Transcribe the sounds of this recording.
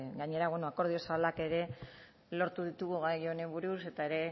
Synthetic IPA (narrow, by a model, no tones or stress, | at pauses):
ɡajɲe̞ɾaβweno̞ako̞ɾðio̞salake̞ɾe̞ | lo̞ɾt̪uðit̪uɣuɣajo̞ne̞βuɾuse̞t̪ae̞ɾe̞